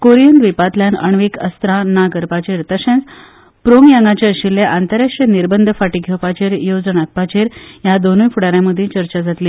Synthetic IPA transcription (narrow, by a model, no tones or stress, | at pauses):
koɾijənd̪ʋipat̪ljanə̰ɳʋikə̰st̪ɾanaɡəɾpat͡ɕeɾt̪əsẽnt͡s | pɾoŋjaŋɡat͡ɕeɕilːeʔant̪əɾaʂʈəniɾbənd̪ʱəfaʈiːɡʱewpat͡ɕeɾjod͡zənak̚pat͡ɕeɾjad̪onujfuɽaɾjãməd̪ʱːjet͡ɕəɾt͡ɕad͡zʱat̪liː